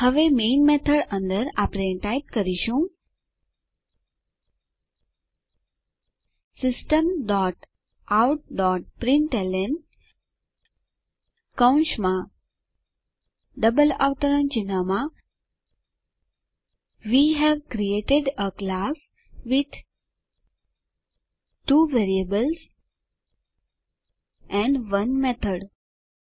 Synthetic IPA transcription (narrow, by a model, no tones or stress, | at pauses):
həʋemeːnmet̪ʰəɖə̃nd̪əɾapɾeʈajʈ̚kəɾiʃũ | sɪsʈəmɖɔʈ | awʈ̚ɖɔʈ̚pɾĩɳʈelen | kaw̃nʃmã | ɖʌbəla̰ʋt̪əɾə̃nt͡ʃinama | ʋiɦɛʋkɾieʈeɖəklas | ʋid̪ | ʈuːʋeɾiəbəls | ɛ̃ɳɖʋʌ̃nmɛt̪ʰəɖ